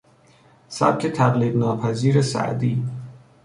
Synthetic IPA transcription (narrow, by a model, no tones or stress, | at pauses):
sæ̰b̚kʲʰet̪ʰæɣliːbnɒːpʰæziːɾesæ̰ʔd̪iː